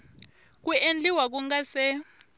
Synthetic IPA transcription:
k̬uend͡ɮiwak̬uŋɡasɛ

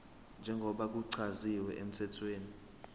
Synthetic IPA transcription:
nd͡ʒʱɛŋɡʱɔɓak̬ʼuǀʰaziwɛʔem̩tʰɛtʰweːni

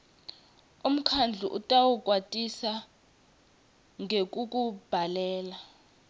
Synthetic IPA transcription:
um̩kʰand͡ɮʱuʔṵtʼawuk̬ʼwatʼisa | ŋek̬ʼuk̬ʼub̥ʱalɛːla

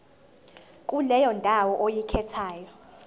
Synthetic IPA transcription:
kʼulɛjɔndʱʼawɔʔojikʰɛtʰaːjɔ

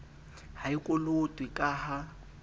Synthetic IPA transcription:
haɪkʼʊlotʼwɪkʼaha

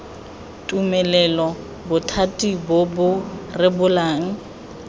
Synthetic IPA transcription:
tʼumɛlɛlɔ | bʊtʰatʼibʊbʊrɪbʊlaːŋ̩

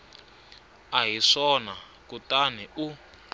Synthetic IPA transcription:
aɦiʂɔna | kutanɛʔu

